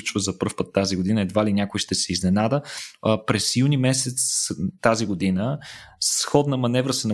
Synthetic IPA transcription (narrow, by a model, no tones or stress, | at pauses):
t͡ʃvəzɐpɤɾfpət̪ːaziɡod̪inəɛd̪valinʲakojʃt̪ɛsɛiznɛnad̪əpɾɛsjunimɛsɛt̪st̪aziɡod̪inəsxɔd̪nəmɐnɛvɾəsɛnɐ